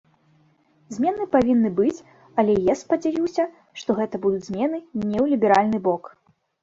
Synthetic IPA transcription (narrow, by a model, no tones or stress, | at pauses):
zʲmʲɛnɨpavʲinːɨbɨt͡sʲ | ɐlʲɛjaspɐd͡zʲajʲiwsʲɐ | ʂt̪ɔɣɛt̪ɐbud̪ud͡zʲzʲmʲɛnɨnʲɛwlʲibʲɛɾalʲnɨbɔk